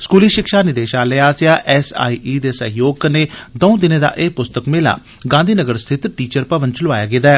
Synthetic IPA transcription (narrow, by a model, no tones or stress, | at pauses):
skuːliːʃɪkʃaːnɪd̪eːʃaːleaːsjaːʔɛsa̰ːiːʔiːd̪eːsəɦɪjoːɡneːd̪ɔũd̪ɪneːd̪a̰ːʔeːpʊst̪əkmeːla̰ː | ɡãːnd̪iːnəɡəɾst̪ʰɪt̪ʈiːt͡ʃəɾpəʋənt͡ʃəlʊʋaːja̰ːɡɪd̪aɛː